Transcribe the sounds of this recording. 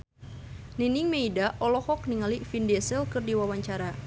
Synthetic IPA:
niniŋmeidaʔɔlɔhɔk̚niŋalifindɛsilkɨrdiwawaɲt͡ʃaɾa

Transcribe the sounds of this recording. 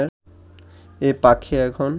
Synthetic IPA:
eɾ | epakʰeɛkʰon

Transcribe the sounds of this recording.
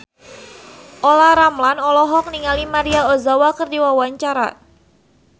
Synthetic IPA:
ʔolaɾamlanɔlɔɦɔk̚niŋalimaɾiaozawakərdiwawaɲt͡ʃaɾa̰

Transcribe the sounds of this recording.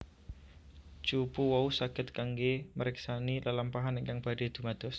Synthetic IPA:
t͡ʃupuwɔusakɪt̪̚kaŋɡeməɾɛksanilalampaɦanɛŋkaŋb̥aɖed̪̥ṳmad̪̥ɔs

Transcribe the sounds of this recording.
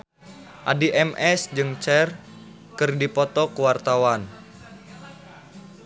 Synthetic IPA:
ʔa̰diʔɛmʔɛsd͡ʒɨŋt͡ʃɛr | kɨrdipɔt̪ɔkuwart̪awan

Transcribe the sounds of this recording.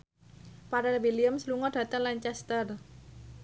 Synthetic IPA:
paɾawiliəmsluŋɔɖ̥ä̤t̪əŋlaɲt͡ʃɛst̪ər

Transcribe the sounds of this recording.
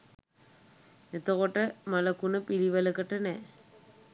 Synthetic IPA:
et̪ːokoʈːɐmɐlɐkːunɐpiliʋɐlɐkːɐʈːɐne

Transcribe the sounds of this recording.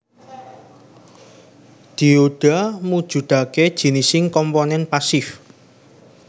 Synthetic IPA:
d̪̥i̤oɖ̥a̤mud̥ʒ̥ṳd̪̥a̤ked̥ʒ̥i̤nisɪŋkɔmponɛnpasɪf

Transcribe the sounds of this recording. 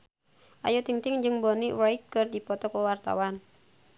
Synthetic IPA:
ʔa̰jut̪iŋt̪iŋd͡ʒɨŋbɔniwait̪̚kɨrdipɔt̪ɔkəwart̪a̰wan

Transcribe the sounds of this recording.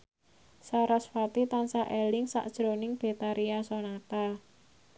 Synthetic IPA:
saɾasfat̪it̪ansaʔelɪŋsa̰ʔd̥ʒ̥ɾo̤nɪŋb̥e̤t̪aɾʔiasonat̪a

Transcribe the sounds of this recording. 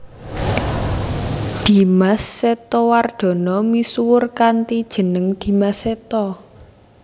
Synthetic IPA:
d̪̥i̤masːet̪ɔward̪̥ɔ̤nɔmisuwʊrkant̪id̥ʒ̥ə̤nəŋd̪̥i̤maset̪ɔ

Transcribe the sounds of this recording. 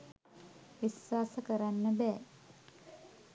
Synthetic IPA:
ʋisːaːsəkəɾanːəbɛː

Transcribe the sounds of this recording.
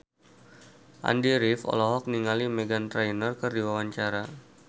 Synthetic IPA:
ʔa̰ndiɾɪfɔ̰lɔɦɔk̚niŋalimeɡant̪ɾajnərkɨrdiwawaɲt͡ʃaɾa

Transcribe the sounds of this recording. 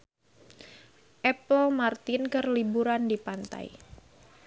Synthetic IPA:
ʔɛpəlmart̪ɪnkərlibuɾandipant̪a̰j

